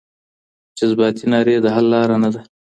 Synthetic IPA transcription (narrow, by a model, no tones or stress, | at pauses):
d͡ʒɪzbɑt̪inɑːɾed̪əɦalːɑːɾanad̪a